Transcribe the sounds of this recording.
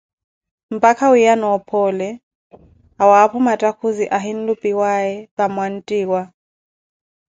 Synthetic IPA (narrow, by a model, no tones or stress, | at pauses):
m̩pʼakʰawijanɔɔpʰɔlɛ | awaːpʰumatʼakʰuziʔaɦin̩lupʼiwaɛβamwan̩tʼiːwa